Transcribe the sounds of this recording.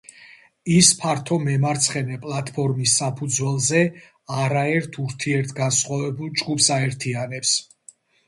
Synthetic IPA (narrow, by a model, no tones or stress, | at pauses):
ispʰaɾt̪ʰɔmɛmaɾt̪sʰχɛnɛpʼlˠat̪ʼʰpʰɔɾmisːapʰud̪zwɛlˠzɛ | aɾaɛɾt̪ʰuɾt̪ʰiɛɾt̪ʰɡansχwavɛbulˠd͡ʒɡupsaɛɾt̪ʰianɛps